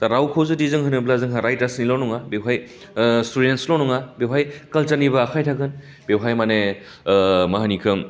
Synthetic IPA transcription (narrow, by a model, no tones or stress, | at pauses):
taɾawkʰowzɯdizɯŋɦɯnɯblazɯŋɦaɾajtasnilɔnɔŋabewɦaj | studentslɔnɔŋabewɦajkɐlt͡ʃaɾnibɐːkʰajtʰaɡɯn | bewɦajmane | maɦanikʰɯm